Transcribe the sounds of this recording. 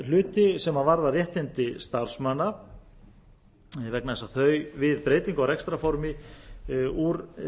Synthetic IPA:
l̥ʏːt̪ɪsɛmavaɾðarjɛht̪ɪnt̪ɪst̪aɾ̥smana | vɛk̚naðɛsːaθœːɥvɪðpɾeːjt̪iŋkaɾɛkst̪ɾafɔɾmɪ | uɾ

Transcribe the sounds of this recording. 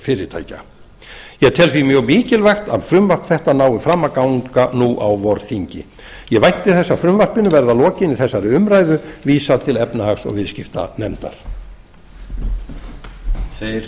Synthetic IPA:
fɪːɾɪt̪ʰa̰jca̰ | jɛt̪ʰɛlθimjœɣmiːcɪlvajxt̪a̰ðfɾʏmvar̥p̪θɛht̪anaːwɪfɾamːakawŋkanuʔawvɔɾθiɲcɪ̰ | jɛvajht̪ɪθɛsːafɾʏmvar̥pɪnʏvɛɾðalɔːcɪnɪθɛsːaɾɪʏmɾajðʏviːsat̪ʰɪlɛpnɪhaksɔ̰ɣvɪðscɪft̪a̰nɛmt̪a̰ɾ̥ | t̪ʰveɾ

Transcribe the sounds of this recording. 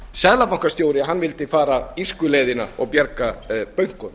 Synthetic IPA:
sɛðlapawŋ̥kḁst̪joːwɾɪɦanːvɪlt̪ɪfaːɾaiskʏlejðɪnaɔ̰ɣpjɛɾkapœɥŋ̥kʏn

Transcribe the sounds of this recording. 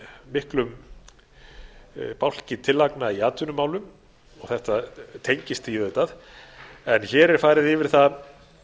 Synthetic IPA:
mɪhklʏm | pawl̥cɪt̪ʰɪlːaknaiaːt̪ʰʏnʏmaːwlʏm | ɔɣθɛht̪at̪ʰejɲcɪst̪ijœːðʏt̪að | ɛnçɛːɾɛɾ̥faːjɾɪðɪvɪɾ̥θa

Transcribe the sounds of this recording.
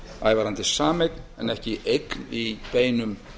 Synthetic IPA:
a̰ːjvaɾant̪ɪsaːmejk̪nɛnɛhcɪʔejt̪nipeːjnʏm

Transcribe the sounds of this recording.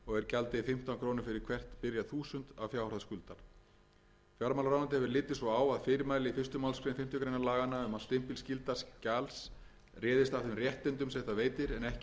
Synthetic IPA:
ɔɣɛɾcalt̪ɪfɪm̥t̪ankʰɾoːwnʏɾfɪɾɪɾ̥kʰvɛr̥t̪pɪɾjaθuːsʏnt̪avfjaːwraðskʏlt̪aɾ̥ | fjaɾmawlɾawnant̪ɪhɛvɪɾlɪːt̪ːɪsɔaːwaðfɪːɾɪmaːjlɪifɪ̥rst̪ʏmawlskɾejnfɪm̥t̪ʏkɾejnalaːɣanaʏmast̪ɪm̥pilscɪlt̪ascals | rɛːðɪst̪afθɪmrjɛht̪ɪnt̪ʏmsɛht̪aveːjt̪ɪɾɛnɛhc

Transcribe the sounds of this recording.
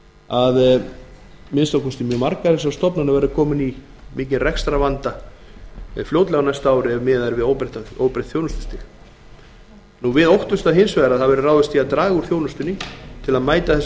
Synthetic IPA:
að | mɪnst̪awkʰɛst̪ɪmjœːmaɾkaðɛsawst̪ɔpnanavɛɾʏkʰɔːmɪni | miːcɪnrɛkst̪ɾavant̪a | fljowt̪lɛɣanajst̪aaːwɾɪɛvmɪːðaɾvɪðoːwpɾɪht̪aoːwpɾɪht̪θjoːwnʏst̪ɪst̪ɪx | nuvɪðowht̪ʏst̪aɦɪnsvɛːɾaðaðvɛɾʏraːwðɪst̪iaðt̪ɾaːɣʏɾ̥θjownʏst̪ʏnːɪt̪ʰɪlaðmaːjt̪aθɛs

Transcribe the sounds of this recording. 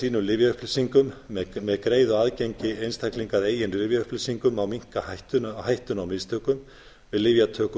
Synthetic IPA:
iːnʏmlɪvjaʏhplʏsiŋkʏmːmɛðkɾeːjðʏaːðceɲcɪejnst̪ʰajkliŋkaðeːjɪnlɪvjaʏhplʏsiŋkʏmawmiŋ̥kahajht̪ʏhajht̪ʏnawmɪst̪ʰœːkʏm | vɪðlɪvjat̪ʰœːk

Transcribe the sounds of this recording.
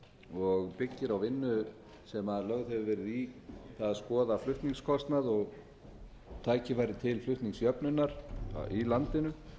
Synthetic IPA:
ɔɣpɪcːɪɾawvɪnːʏ | sɛmaðlœɣðhɛvʏvɛːɾɪðiθaðaðskɔːðaflʏht̪niŋkskʰɔst̪naðɔɣ | t̪ʰaːjcɪfajɾðɪt̪ʰɪlflʏht̪niŋksjœpnʏnːaɾ̥̰ilant̪ɪnʏ

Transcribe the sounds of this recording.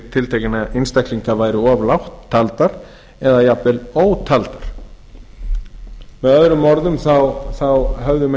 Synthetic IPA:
t̪ʰɪlt̪ʰeːjcɪnaɪnst̪ajhkliŋkavaːjɾɪɔvlawht̪ʰːalt̪aɾ | ɛðajapɛloːwt̪ʰalt̪aɾ̥ | mɛðœðɾʏmːɔɾðʏmθawθawɦœvðʏm

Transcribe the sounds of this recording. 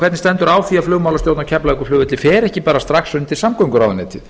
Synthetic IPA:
kvɛɾt̪nɪst̪ɛnt̪ʏɾaːwθiaflʏːɣmawlast̪jowt̪nawcʰɛplaɪkʏflʏːvɪt̪lɪfɛːɾɛhcɪpaːɾast̪ɾaxsʏnt̪ʰɪlsamkɔŋkʏɾawðʏnɛt̪ʰɪ

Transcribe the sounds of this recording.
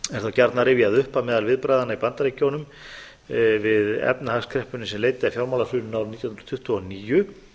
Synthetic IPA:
ɛɾ̥θawcaɾt̪naɾɪviaðʏhpamɛːðalvɪðpɾajðanaipant̪aɾecownʏm | vɪðɛ̰pnahaskʰɾɛhpʏnɪsɛmleːjt̪ɪafjawɾmawlasʏːnʏnawɾniːjhʊnɾ̥t̪ʰʏht̪ʏɔniːjʏ

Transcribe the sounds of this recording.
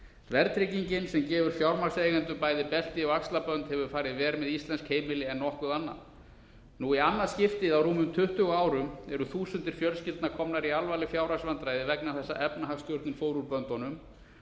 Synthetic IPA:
vɛɾt̪ɾɪciɲcɪnsɛmcɛːvʏɾ̥fjawɾmasejɣɛnt̪ʏpaːjðɪpɛl̥t̪ɪɔakslapœnt̪hɛvʏɾfaːɾɪðvɛːɾmɛðist̪lɛnskheːjmɪlɪɛnːɔhkʏðanːa̰ð | nuianːascɪft̪ɪðawruːmʏmt̪ʰʏht̪ʏɣaːwɾʏmɛɾʏθuːsʏnt̪ɪɾ̥fjœlscɪlt̪nakʰɔmnaɾialvalɪfjawɾasvant̪ɾajðɪvɛknaθɛsːa̰ʔɛpnaɦakscœɾt̪nɪnfoːwɾuɾpœnt̪ɔnʏm

